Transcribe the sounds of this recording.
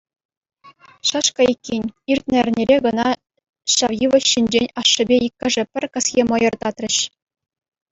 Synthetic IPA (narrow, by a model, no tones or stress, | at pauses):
ɕɑʂkɑikʲːenʲirʲt̪̚ʲnʲɘ̆ɘ̆rʲnʲeɾʲeɡɤ̆nɑ | ɕɑʋjiʋɤ̆ɕːinʲd͡ʑenʲɑʂːɘ̆bʲejikʲːɘ̆ʐɘ̆pʲɘ̆rʲkɤ̆sjʲemɤ̆jɤ̆rt̪ɑt̪rʲɘ̆ɕ